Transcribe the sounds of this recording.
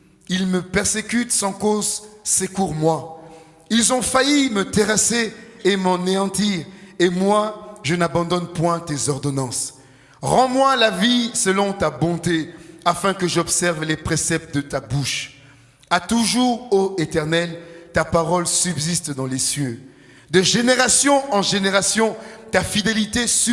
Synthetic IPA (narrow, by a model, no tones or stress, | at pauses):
ilməpɛʁsekʲyt̪sɑ̃kozsekuʁmwa | ilzɔ̃fajimət̪eʁaseːmɑ̃neɑ̃t̪iʁemwaʒənabɑ̃d̪ɔnpwɛ̃t̪ezɔʁd̪ɔnɑ̃s | ʁɑ̃mwalavisəlɔ̃t̪abɔ̃t̪eafɛ̃kəʒɔbsɛʁvlepχesɛp̚t̪̚d̪ət̪abuʃ | at̪uʒuːʁoet̪ɛʁnɛlt̪apaʁɔlsybzist̪d̪ɑ̃lesjø | d̪əʒeneʁasjɔ̃ɑ̃ʒeneʁasjɔ̃t̪afid̪elit̪esy